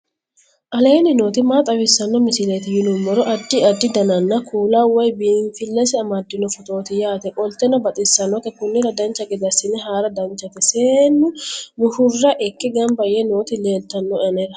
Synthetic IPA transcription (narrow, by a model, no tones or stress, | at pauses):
ʔɐle̞ːnɪno̞ːt̪ɪmaːt̪ʼɐwɪsːɐnːɔmɪsɪleːt̪ɪjɪlʊmːɔɾɔʔɐd̪ːɪɐd̪ːɪd̪ɐnɐnːɐkʰuːlawɐjbiɱfɪlːɐsɛɐmɐd̪ːɪnɔfɔt̪o̞ːt̪ɪjaːt̪ɛkʼɔlt̪ɛnɔbɐt̪ʼɪsːɐnːɔt̪ɛkʊnːɪɾɐd̪ɐnt͡ʃːɐɡɪd̪ɐsɪnɛɦaːɾɐd̪ɐnt͡ʃːɐt̪ɛseːnːʊmʊhʊrːɐʔɛkːɛɡɐmbɐjɛno̞ːt̪ɪle̞ːlt̪ɐnːɔɪɐnɛɾɐ